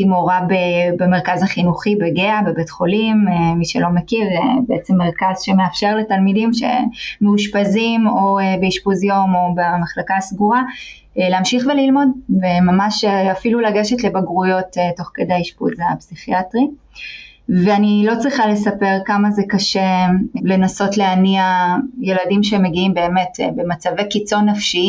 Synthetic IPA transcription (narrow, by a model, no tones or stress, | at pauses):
timoʁabebemeʁkazhaχinuχibeɡeabe̞betχo̞limeːiʃelo̞mekiʁebeet͡semːe̞ʁkazʃe̞meafʃe̞ʁle̞talmidimʃḛmeuʃpazimo̞ebeiʃpuzjo̞mo̞bamaχlakasɡuʁa | leamʃiχvelilmo̞dvemamaʃafilulaɡeʃe̞tle̞baɡʁujo̞tetːo̞χkedaiʃpṵzapsiχiatʁi | veanilo̞t͡sʁiχale̞sape̞ʁkamazekaʃele̞naso̞tleaniaje̞ladimʃeme̞ɡiimbe̞ːme̞tbe̞mat͡savekit͡so̞nːafʃi